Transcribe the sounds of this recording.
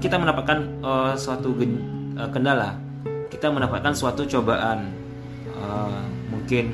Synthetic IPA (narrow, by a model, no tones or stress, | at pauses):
kit̪amənapat̪̚kanəsuat̪uɡəəkəndala | kit̪amənapat̪̚kansuat̪ut͡ʃobaʔan | əmuŋkɪn